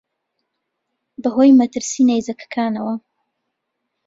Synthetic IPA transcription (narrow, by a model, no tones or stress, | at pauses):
b̪əɦojmat̪əɾsinajzakʰkʰaːnawa